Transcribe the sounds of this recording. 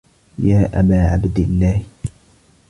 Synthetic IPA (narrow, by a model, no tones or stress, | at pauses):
jaːʔa̰baːʕabd̪ɪlːaːh